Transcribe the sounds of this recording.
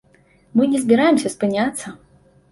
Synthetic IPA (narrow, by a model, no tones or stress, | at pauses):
mɨnʲɛzʲbʲɛɾajɛmsʲɐspɨnʲat̪sːɐ